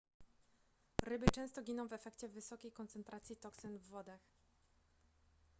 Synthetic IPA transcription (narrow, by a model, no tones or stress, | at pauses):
ɾɘbɘt͡ʂɛ̃w̃st̪ɔɡʲinɔ̃w̃vɛfɛkt͡ɕɛvɘsɔkʲejkɔnt̪sɛnt̪ɾat̪sʲjit̪ɔksɘnvːɔd̪ax